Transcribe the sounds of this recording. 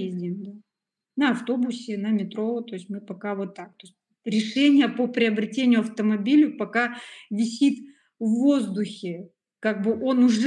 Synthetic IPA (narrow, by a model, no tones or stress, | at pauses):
ezʲdʲɪmd̪a | nəɐft̪o̞bʊsʲɪnəmʲɪt̪ɾo̞t̪o̞ɪsʲmɨpɐkavo̞t̪ːak̚t̪o̞ɪsʲtʲ | ɾʲɪʂɛnʲɪjəpopɾʲɪəbɾʲɪtʲenʲɪjʊɐft̪əmɐbʲilʲʊpɐkavʲɪsʲit̪ | vːo̞zd̪ʊxʲɪ | kaɡ̚bɨʔo̞nʊʐ